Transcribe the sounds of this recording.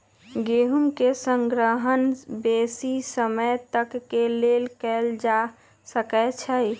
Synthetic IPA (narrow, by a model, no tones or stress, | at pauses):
ɡeɦumkesəŋɡɾəɦənbesisəməjt̪əkːelelkɛld͡ʒa | səkɛt͡ʃʰə